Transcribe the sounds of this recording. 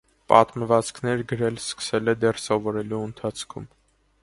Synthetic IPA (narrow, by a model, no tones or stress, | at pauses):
pɑ̰t̪məvɑt͡skʰnɛɾɡəɾɛlskə̥sɛlɛd̪ɛrsɔvɔɾɛluənt̪ʰɑt͡sʰkʰṵm